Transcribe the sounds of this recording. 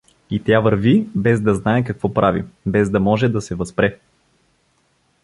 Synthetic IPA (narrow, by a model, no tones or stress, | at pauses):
it̪javəɾvibɛzd̪ɐznaɛkɐkvɔpɾavḭbɛzd̪ɐmɔʒɛd̪ɐsɛvɐspɾɛ